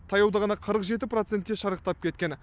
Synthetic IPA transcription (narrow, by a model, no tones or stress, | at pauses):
t̪ʰɑjɑwd̪ɑʁɑnɑqʰəɾəqʒe̞t̪ɪpɾot̪sent̪̚kʲe̞ʃɑɾəq̚t̪ɑp̚kʲʰe̞t̪kʲen